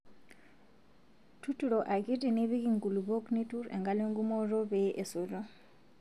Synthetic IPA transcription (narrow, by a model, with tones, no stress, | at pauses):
tʰu˦tu˨ɾɔ˨ʔa˨ki˦ti˨ni˦βi˦ki˦˨ŋɡu˨lu˨bo˦kni˦tu˦ɾɛ̰˨ŋɡa˦le˦ŋɡu˦mɔ˦ɾɔ˦βeʔe˨so˨ɾo˦